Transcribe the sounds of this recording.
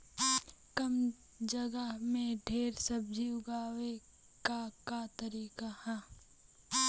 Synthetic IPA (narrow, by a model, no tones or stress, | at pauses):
kəm | d͡ʒəɡəɦmẽɖʱeːɾsəb̚d͡ʒiːʊɡaːwe | kakat̪əɾiːkahɛː